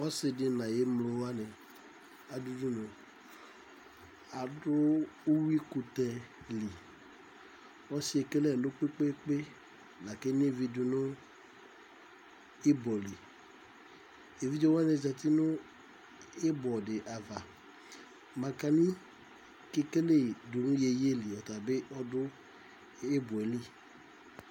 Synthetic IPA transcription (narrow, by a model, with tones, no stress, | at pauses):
wɔ˦sɪ˨dɪ˨˦nã˨je˨mlo˨wa˦nɛ˨ | a˨du˦du˦nɔ̃˨ | a˨dʊ˦o˦wi˦ku˨t̪ɛ˨li˨ | wɔ˦si˦e˨ke˦lɛ˦˨lo˦k͡pe˦k͡pe˦k͡pe˦ | na˨ke˦n˦e˦vi˦dʊ˨nʊ˦ | e˦bɔ˨li˨ | e˨vi˦d͡ʒɔ˦wa˦ne˨za˨t̪i˦nʊ̃˦ | e˦bɔ˨dɪ˨ʔa˨va˨ | mã˨ka˨nĩ˦ | ke˦ke˦le˦˨du˨nʊ̃˦je˨je˦li˨ɔ˨t̪a˨bɪ˦ʔɔ˦dʊ˦ | e˦bɔ˨e˨li˦˨